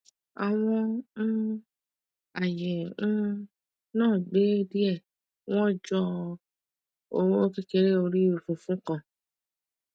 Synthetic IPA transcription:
a˨w̃ɔ̃˧˦ | a˨jɛ̃˨˦ | nãː˦˨ɡ͡be˨˦di˦ɛ˦˨ | w̃ɔ̃˦d͡ʒɔ˧ | o˨˦o˦ki˧ke˧ɾe˦o˧ɾi˦o˧˨fũ˨˧˨fũ˦kã˦˨

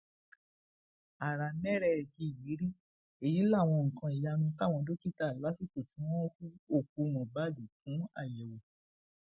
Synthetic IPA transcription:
a˨ɾa˨nɛ̃˦ɾɛ˦˧˨ɡi˧i˨wi˨˦ɾi˦ | e˦˨ji˨˦la˦˨w̃ɔ̃˧ŋ̩˨kã˧i˨ja˧nũ˧ka˦˨w̃ɔ̃˧do˦ki˦ta˦˨la˨˦si˦˨ko˨ti˨˦w̃ɔ̃˦fu˦o˦˨k̚u˧ñũ˨ba˦di˨kũ˨˦a̰˦˨jɛ˨wo˨

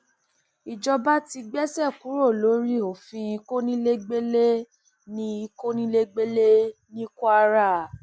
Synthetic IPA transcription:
i˨d͡ʒɔ˧ba˦ti˧ɡ͡bɛ˦sɛ˦˨ku˨˦ɾo˦˨lo˨˦ɾi˦o˨fĩ˧i˧ko˦nĩ˦le˦ɡ͡be˦le˦ | nĩ˧˦i˧ko˦nĩ˦le˦ɡ͡be˦le˦nĩ˦ko˦a˧ɾa˦˨

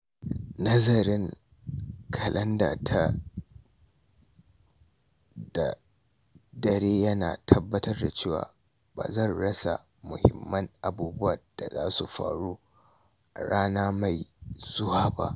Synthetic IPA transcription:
nɐ˦zɐ˨ɾɪ˦ŋ | kʰɐ˨lʔɐ˦nda̰ː˨tʰa˦ | da˨ | dɐ˨ɾeː˦jɐ˦naː˨tʰɐ˦bːɐ˦tɐ˦rda˨t͡ʃeː˦˨wa̰ː˨ | ba̰ː˨zɐ˦˨nɽɐ˦sa̰˨ | mʊ˨hɪ̰˨mːɐ˦ŋʔa˨buː˦bʊ˦wɐ˨rd̥a̰˨za̰ː˦su˨ɸa̰ː˨ɽoː˦˨ | ɽaː˦naː˦ma˨jz̥ʊ˦waː˦ba̰˦ʔ

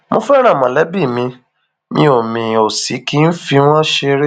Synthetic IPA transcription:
mõ˧fɛ˦ɾ̃ã˦˨mã˨lɛ˨˦bi˦˨mĩ˧ | mĩ˧˦o˨mĩ˨o˨si˨˦ki˦n̩˦fĩ˧˦ã˦ʃe˧ɾe˦

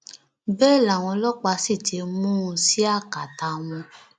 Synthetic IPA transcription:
bɛː˦˨la˨w̃ɔ̃˧lɔ˦k͡pa˧si˦˨te˨˧˦mũ˦ũ˧si˦a˦˨ka˨ta˧w̃ɔ̃˧

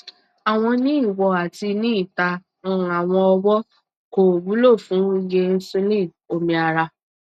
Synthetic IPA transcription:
a˨w̃ɔ̃˧nĩ˦i˦˨wɔ˧a˨ti˧nĩ˦i˦˨tã˧˦˧ | a˨w̃ɔ̃˧ɔ˧wɔ˦ | ko˨bu˨˦lo˦˨fũ˨˦je˧˦so˧lĩ˦˨ | o˧mĩ˧a˧ɾa˧

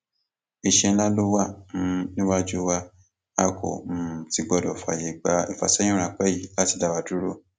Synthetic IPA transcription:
i˨ʃɛ̃˧˦la˦lo˦wa˦˨m̩˨˦nĩ˦wa˦d͡ʒo˦wa˦˧ | a˦˨ko̰˨m̩˨ti˨˧ɡ͡bɔ˧˨dɔ˨fa̰˨je˨˧˨ɡ͡ba˨˦i˨fa̰˨sɛ̃˦ũ˦ɾa˧˨k͡pɛ˦ji˦˨la˦ti˧da˧wa˧du˦ɾo˦

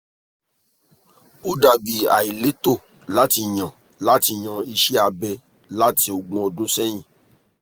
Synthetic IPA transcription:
o˦da˨ɡ͡bi˨a̰˨i˨le˨˦to˦˨ | la˦ti˧˨j̃ã˨ | la˨˦ti˧˨j̃ã˧i˧ʃi˦a˧bɛ˧ | la˦ti˧˦o˧ɡ͡bɔ̃˧˦o˧dõ˦sɛ˦j̃ĩ˦˨

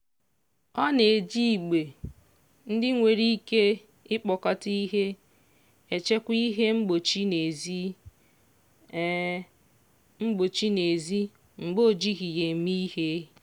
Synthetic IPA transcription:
ɔ˦ne˨d͡ʒi˦˨ɡ͡be˨ | n̩˦dɪ˦ŋʷe˨ɾi˦ke˦ | ɪ˦k͡pɔ˨ka˦ti˦ɦe˦ | e˨t͡ʃe˦kʷi˦ɦe˦ŋ͡m̩˦ɡ͡bo˨t͡ʃi˦ne˨zi˦ | ŋ͡m̩˦ɡ͡bo˨t͡ʃi˦ne˨zi˦ | ŋ͡m̩˨ɡ͡bo˦˨d͡ʒi˦ɣi˨je˨˦mi˦he˦

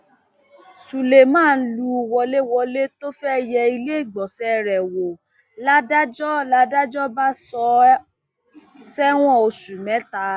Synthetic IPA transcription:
su˨le˨mãː˦˨˧n̩˦lu˧˨wɔ˧le˦wɔ˧le˦to˦fɛ˦jɛ˧i˧le˦i˦˨ɡ͡bɔ˨sɛ˦ɾɛ˨wo˨ | la˦da˦d͡ʒɔ˦la˧˦da˦d͡ʒɔ˦ba˦sɔ˧ | sɛ˦w̃ɔ̃˦o˧su˨mɛ̃˨˦ta˧˦

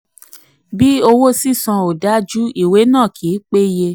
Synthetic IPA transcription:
bi˦o˧wo˦si˦˨sã˧o˨da˨˦d͡ʒu˦i˦˨we˨˦nãː˦˨kʰi˨˦k͡pe˦je˧

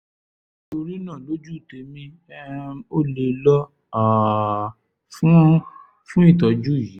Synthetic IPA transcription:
to˧ɾi˦nã˦˨lo˦d͡ʒu˦˨te˨˧mĩ˧ | ɛ˦o˦le˧lɔ˦ | a˨ | fũ˦ | fũ˦i˦˨tɔ˨d͡ʒu˦˨ji˨˦

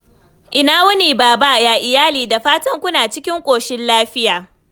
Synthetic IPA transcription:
ʔɪ˨naː˦wɐ˦ni˨baː˨ba˦jaː˨ʔɪ˨jaː˦liː˨da˨ɸaː˦tɐ˦ŋkʷʊ˦naː˨t͡ʃɪ˦kʲɪ˦ŋkʷʼoː˨ʃɪ˦nlaː˦ɸɪ˦jaː˨

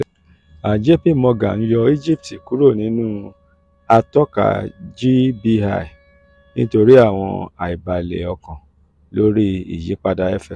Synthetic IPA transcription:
a˨d͡ʒe˦pi˦˨mɔ̃˧ɡa̰˨n̩˦jɔ˧i˦d͡ʒi˦˨p̚ti˨ku˨˦ɾo˦˨nĩ˨˦nũː˦ | a˧tɔ˦ka̰˨d͡ʒi˦bi˧ha̰˦˨i˨ | nĩ˦to˧ɾi˦a˦˨w̃ɔ̰̃˧a˨i˨ba˨lḛ˨ɔ˧kã˨ | lo˦ɾi˦ḭ˨ji˨˦k͡pa˦da˧ɛ˦fɛ˦˨

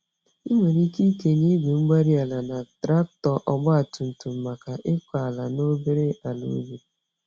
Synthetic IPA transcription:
i˦ŋʷe˨ɾi˦ki˦ke˨ni˦ɡʷe˨ŋ͡m̩˦ɡ͡ba˦ɾi˦a˨la˨na˨tɾa˦k̚tɔ˨ʔɔ˨ɡ͡bɔ˦a˨tu˨n̩˨tu˨m̩˨ma˨ka˨ʔɪ˦kʷa˨a˨la˨no˦be˦ɾe˦a˨lṵ˦be˨

